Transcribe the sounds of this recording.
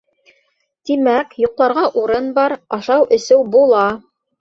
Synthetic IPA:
t̪imækjuqlˠɑɾʁɑʔuɾɤnbɑɾɑʃɑwʔɵ̆sɘwbulˠɑ

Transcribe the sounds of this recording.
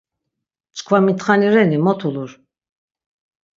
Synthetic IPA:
t͡ʃʰʼkʰvamit̪χaniɾɛnimɔt̪ʰuluɾ

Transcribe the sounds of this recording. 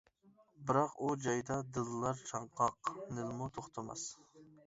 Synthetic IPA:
bɨɾɑqud͡ʒɑjd̪ɑd̪ɨlˠːɑɾt͡ʃʰɑɴqʰɑqnɪlmut̪ʰoχt̪ʰɑmɑ̰s

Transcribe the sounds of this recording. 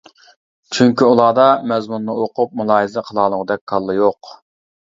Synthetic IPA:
t͡ʃʰyŋkʲiulˠɑːd̪ɑmɛzmunːɨoqʰʊp̚mulˠɑːɦizɪqʰəlˠɑːlˠəʁəd̪ɛk̚ʲkʰɑlˠːɨjoq

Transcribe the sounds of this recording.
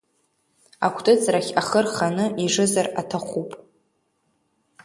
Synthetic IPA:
a̰kʷʰtʼɨt͡sʰʼraχʲaχərχanɨʔiʐɨzaratʰaχʷupʼ

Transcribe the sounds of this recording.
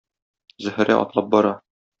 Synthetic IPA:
zɵ̆hɘ̆ɾæ̰ʔɒ̰t̪lˠɑp̚bɒɾɑ

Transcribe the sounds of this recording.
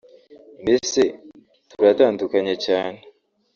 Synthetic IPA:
mese | tuɾataːndukaɲecaːne

